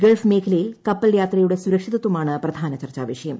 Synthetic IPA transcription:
ɡɐlfme̞ːkʰɐlɐjilkɐpːɐljaːt̪rɐjuɽe̞suɾɐkʂiðɐt̪ːumaːɳɨprɐd̪ʱaːnɐt͡ɕɐrt͡ɕaːʋɐʂɐjɐm

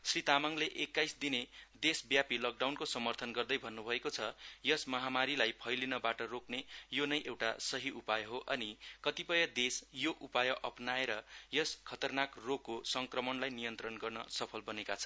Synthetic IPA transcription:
srit̪amaŋleʔekːajsd̪ined̪esbjapilʌk̚ɖawnkosʌmʌrt̪ʰʌnɡʌrd̪ʌjbʱʌnːubʱʌekot͡sʰʌjʌsmʌɦamaɾilajpʰʌjlinʌbaʈʌroknejonʌjʔewʈa̰sʌɦiʔupajʌɦoʔʌnikʌt̪ipʌjʌd̪esjoʔupajʌʔʌpnaeɾʌjʌskʰʌt̪ʌrnakroɡːosʌŋkrʌmʌnlajnijʌnt̪rʌnɡʌrnʌ̰sʌpʰʌlbʌnekat͡sʰʌn

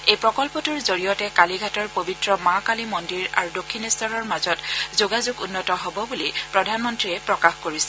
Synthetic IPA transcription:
ejpɹɔkɔlpɔtuɹzoɹijɔtɛkaliɡʱatɔɹpobitɹɔmakalimɔndiɹa̰ɹudokʰːinɛstʰɔɹɔɹmazɔtzoɡazuɡunːɔtɔɦɔbɔbulipɹɔdʱanmɔntɹiɛpɹɔkaxkoɹisɛ̥

